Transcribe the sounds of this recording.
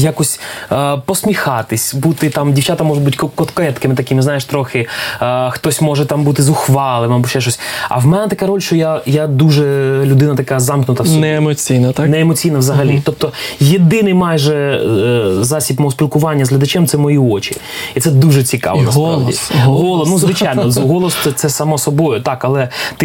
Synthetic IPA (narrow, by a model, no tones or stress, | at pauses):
jakɔsʲpɔsmʲixɑt̪ɪsʲbut̪ɪt̪ɑmdʲiwt͡ʃat̪ɐmɔʒɔbutʲkɔkɔt̪kɔjɛt̪kɪmɪt̪ɐkɪmɪznɑjeʃt̪ɾɔxɪ | xt̪ɔsʲmɔʒɛt̪ɑmbut̪ɪzʊxʋɑlˠɪmɐbuʃt͡ʃɛʃ̬ɔsʲɐ̰wmɛnɛt̪ɐkaɾɔlʲʃt͡ʃɔjajad̪uʒɛlʲʊd̪ɪnɐt̪ɐkazɑmknʊt̪ɐsnɛemɔt͡sʲijnɐt̪anɛːmɔt͡sʲijnɐʋzɐɦɐlʲit̪ɔp̚t̪ɔjed̪ɪnɪjmɑjʒɛ | zɑsʲibmɔɦɔspʲilˠkʊʋɑnʲːɐzɦlʲɐd̪ɐt͡ʃɛmt̪sɛmɔjiɔt͡ʃʲi | it̪sɛd̪uʒɛt͡sʲikɑ̰ʋɔ̰nɐs̬ɾa̰dḭsɦɔlˠɔnuzʋɪt͡ʃajʲnɔɦɔlˠɔst̪ɛt̪sɛsɐmɔsɔbɔjʊt̪ɑkɐlˠɛt̪ɪ